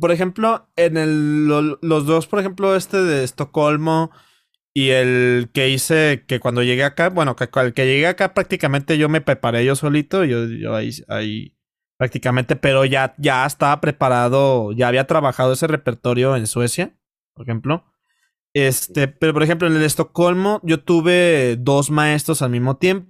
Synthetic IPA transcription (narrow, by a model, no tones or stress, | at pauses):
po̞ɾe̞xe̞mplo̞enelːolo̞zðo̞spo̞ɾexe̞mplo̞e̞st̪e̞ðe̞ːst̪o̞ko̞lmo̞ | ie̞lke̞ise̞ke̞kwand̪o̞ʝeɣeakabwe̞no̞kekelke̞ʝe̞ɣeakapɾak̚t̪ikamẽnt̪e̞ʝo̞me̞pɾe̞paɾe̞ʝo̞so̞lit̪o̞iʝoʝo̰aḭa̰i | pɾak̚t̪ikamẽ̞nt̪e̞pe̞ɾo̞ʝaɟ͡ʝaest̪aβapɾe̞paɾað̞o̞ʝaːβiat̪ɾaβaxaðo̞e̞se̞re̞pe̞ɾt̪o̞ɾjo̞e̞nswe̞sja | poɾexe̞mplo̞ | e̞st̪e̞peɾopoɾexe̞mp̬loene̞le̞st̪o̞ko̞lmo̞ɟ͡ʝo̞t̪uβ̞e̞ðo̞zmae̞st̪ɾo̞salmizmo̞t̪je̞mpo